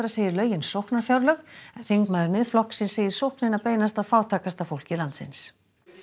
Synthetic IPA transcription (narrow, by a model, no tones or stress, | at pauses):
ɾaseːjðɪɾlœːɥjɪnsowhknaɾ̥fjawɾlœxɛnθiŋkmaːðʏɾmɪðflɔhksɪnseːjɪɾ̥sowhknɪnapeːjnast̪aðfaːwt̪ʰaːkast̪afowl̥cɪlant̪sɪ̰ns